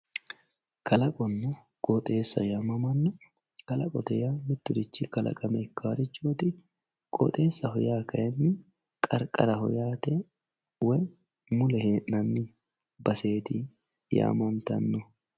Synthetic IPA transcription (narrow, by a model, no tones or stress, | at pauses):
kʰɐlɐkʼɔnːɔ | kʼɔt̪ʼe̞ːsːɐ̰jaːmɐmɐnːɔ | kɐlɐkʼɔt̪ɛjaːmɪt̪ːʊɾɪt͡ʃːɪkɐlɐ̰kʼɐmɛɪkːaːɾɪt͡ʃːoːt̪ɪ | kʼɔ̰t̪ʼe̞ːsːɐɦɔjaːkɐjɛnːɪ | kʼɐɾkʼɐɾɐhɔ̰jaːt̪ɛ | wɛ | mʊlɛhe̞ːʔnɐnːɪ | bɐse̞ːt̪ɪ | ja̰ːmɐnt̪ɐ̰nːɔ